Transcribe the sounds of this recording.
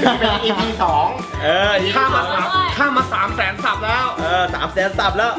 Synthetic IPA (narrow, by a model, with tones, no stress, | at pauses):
pe˧ʔi˧iː˧sɔː˩˦ŋ | ʔɤː˧˨˩kʰaː˥˩mːaː˧a˨˩kʰaː˥˩mːaː˧saː˩˦msɛː˩˦nsa˨˩p̚lɛː˦˥wʔɤː˧sa̰ː˩˦msɛː˨˦nsa˨˩p̚lɛː˦˥˩w